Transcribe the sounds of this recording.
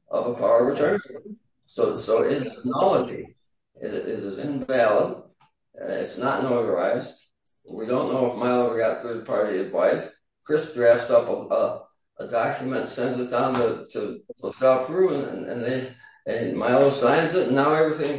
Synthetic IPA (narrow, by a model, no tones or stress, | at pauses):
ʔʌ̰vəpʰaʊə˞ɹɨtʰɜ̃˞n | soʊsoʊʔɪɾɨnɑlˠəd͡ʒḭ | ɪ̰ɾɪɾɨzɪ̰̃ɱvælˠəd | ɪ̰tsnətnoʊðə˞a̰ɪzd̥ | widõʊ̃nːoʊəfmaɪlˠoʊwə˞ɡɑt̪̚θɹiðpʰɑɹɾiɨdvaɪs | kʰɹ̥ɪsdɹæftsʌpʌ | ʔədɑkʰjɨmɨ̃ntsɛ̃ndzɨtʰãnɨtʰɨəstɑpʰɹʉə̃nɨ̰̃nɨ̰̃nðe | ɨmaɪlˠoʊsãɪ̃nzɨtn̩aʊɛvɹiθɪ̃ŋ